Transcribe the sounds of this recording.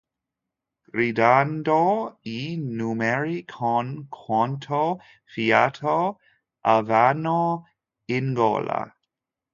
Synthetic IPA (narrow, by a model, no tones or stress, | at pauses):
ɡ̥ɾidandoinumɛɹikʰɔnkʰwɔntʰo | fiatʰo | ʔavano | ɪnɡo̰la̰